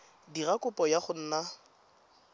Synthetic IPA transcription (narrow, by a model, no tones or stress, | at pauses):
dirakʼʊpʼɔjaχʊn̩ːna